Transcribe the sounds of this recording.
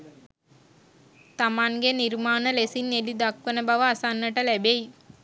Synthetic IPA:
t̪amaŋɡeniɾmaːnəlesinːelid̪akʋənəbaʋəasanːəʈəlæbej

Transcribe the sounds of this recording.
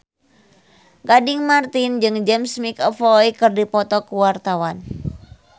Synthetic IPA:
ɡadiŋmart̪ind͡ʒɨŋd͡ʒɛmsmikɔfɔikɨrdipɔt̪ɔkuwart̪awan

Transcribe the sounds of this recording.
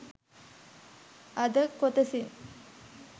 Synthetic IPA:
ɐd̪əkot̪əsin

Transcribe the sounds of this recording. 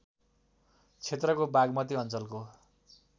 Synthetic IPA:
t͡sʰet̪rʌkobaɡmʌt̪iʌnt͡sʌlko

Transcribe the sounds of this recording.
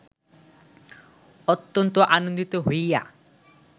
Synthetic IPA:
ɔt̪ːɔnt̪ɔʔanond̪it̪ɔɦoja̰

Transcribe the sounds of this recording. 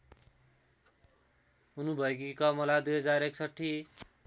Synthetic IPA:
unubʱʌek̬ikʌmʌlad̪ujɦʌd͡zaɾeksʌʈʰːi

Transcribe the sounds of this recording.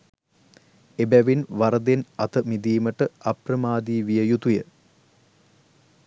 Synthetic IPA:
ebæʋinʋɐɾɐd̪enɐt̪əmid̪iːməʈəɐprɐmaːd̪iːʋijəjut̪ujə

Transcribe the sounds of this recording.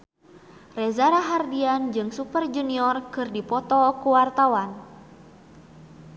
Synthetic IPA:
rɛzaɾaɦardiand͡ʒɨŋsupərd͡ʒuniɔrkɨrdipɔt̪ɔkuwart̪awan

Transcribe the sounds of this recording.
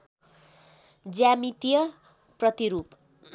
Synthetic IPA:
d͡zjamit̪ijʌ | prʌt̪iɾup

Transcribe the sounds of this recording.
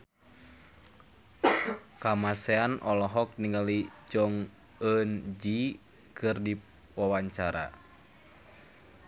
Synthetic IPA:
kamasɛanʔɔlɔɦɔk̚niŋalid͡ʒɔŋ | ənd͡ʒi | kʰɨrdi | wawaɲt͡ʃaɾa̰

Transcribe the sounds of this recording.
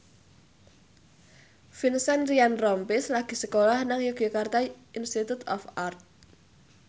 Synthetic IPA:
finsanɾianrɔmpɪslaɡ̥i̤səkolahnaŋjuɡ̥ikart̪ainst̪it̪ut̪ɔ̰fart̪̚

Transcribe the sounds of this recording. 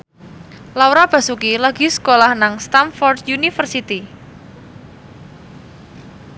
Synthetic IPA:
lawɾab̥a̤sukilaɡisə̥kolahnaŋst̪anfɔrdjunifərsit̪i

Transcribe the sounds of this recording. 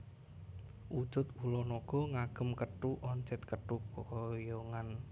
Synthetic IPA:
ʔu̥d͡ʒʊt̪̚ulɔnoɡ̥ɔ̤ŋaɡ̥ə̤mkəʈuʔɔɲt͡ʃɛt̪̚kəʈukɔjɔŋan

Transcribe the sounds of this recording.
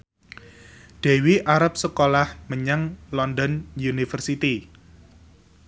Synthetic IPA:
ɖ̪̥e̤wiʔaɾəp̚səkolahməɲəŋlɔnd̪ɔnjunifərsit̪i

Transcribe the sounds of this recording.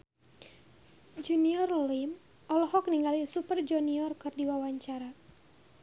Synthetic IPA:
d͡ʒuniɔrlim | ʔɔlɔhɔk̚niŋɡalisupərd͡ʒuniɔrkɨrdiwawaɲt͡ʃaɾa

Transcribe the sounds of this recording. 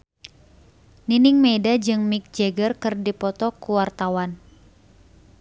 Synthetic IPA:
ninɪŋmedad͡ʒɨŋmik̚d͡ʒɛɡərkɨrdipɔt̪ɔkuwart̪awan

